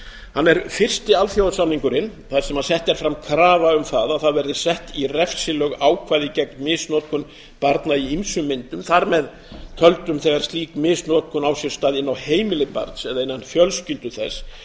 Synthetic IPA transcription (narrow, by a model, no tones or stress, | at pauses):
hanːɛɾfɪr̥st̪ɪalθjawsamniŋkʏɾɪnθḁsɛmhansɛht̪ɛɾ̥fɾamkʰɾaːvaʏmθaðaðθaðvɛɾðɪ̥sɛht̪irɛfsɪlœɣaːwkʰvaːðɪcɛk̚nmɪsnɔːt̪̚kʰɔn | paɾt̪naiimsʏmːɪnt̪ʏmθaɾmɛð | t̪ʰœlt̪ʏmθɛɣaɾ̥st̪liːkmɪːsnɔːt̪̚kʰɔnawsjɛ̥st̪aːðɪnːawheːjmɪlɪpa̰ɾt̪sɛðaɪnːanfjœlscɪlt̪ʏθɛs